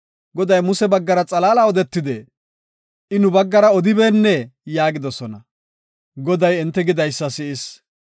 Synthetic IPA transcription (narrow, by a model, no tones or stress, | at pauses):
ɡɔd̪ɐjmʊsɛbɐɡːɐɾɐt͡sʼɐlaːlɐɔd̪ɛt̪ːɪd̪e | ʔɪnʊbɐɡːɐɾɐɔd̪ɪbeːnːɛjaːɡɪd̪ɔsɔnɐ | ɡɔd̪ɐjɪnt̪ːɛɡɪd̪ɐjsːɐsɪʔɪs